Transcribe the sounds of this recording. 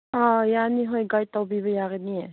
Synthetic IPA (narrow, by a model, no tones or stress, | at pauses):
ajaniɦojɡajtawbiβʌjaɣɯnie